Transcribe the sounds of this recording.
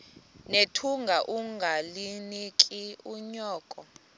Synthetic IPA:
netʰuŋɡʱaʔuŋɡʱalinikʼiuɲɔːkʼɔ

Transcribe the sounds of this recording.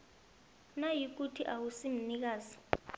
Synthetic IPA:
najik̬utʰiʔawusim̩nik̬aːzi̥

